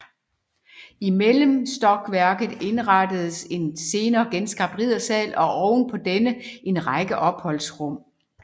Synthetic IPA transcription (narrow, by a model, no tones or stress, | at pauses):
imeləm̩sd̥ɒ̽ɡ̥ʋæɐ̰ɡ̥ð̩ˠe̝nʁɑd̥əð̩ˠəse̝nse̝ːnɐːɡ̥ensɡ̥ɑ̈b̚d̥ʁiðˠɐsɛ̰ːlɒ̽ʔɒʊnpʰɒ̽d̥enəʔe̝nʁɑ̈ɪɡ̥əʔɒ̽b̥hɒ̽l̰sʁɔ̽m̰